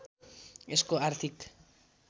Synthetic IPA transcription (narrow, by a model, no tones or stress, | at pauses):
eskoaɾt̪ik